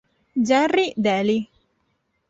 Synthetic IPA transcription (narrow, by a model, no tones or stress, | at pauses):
d͡ʒarid̪ɛli